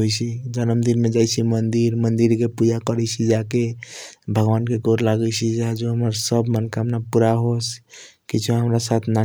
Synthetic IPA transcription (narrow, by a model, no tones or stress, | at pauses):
ɦojt͡ʃʰid͡ʒənəmd̪inmed͡ʒajt͡ʃʰimənd̪iɾmənd̪iɾkepud͡ʒakəɾɛt͡ʃʰid͡ʒakebʱəɡʋankeɡoɾlaɡɛt͡ʃʰid͡ʒad͡ʒoɦəməɾsəbʱmankamnapuɾaɦos | kit͡ʃʰuɦəmɾasat̪ʰna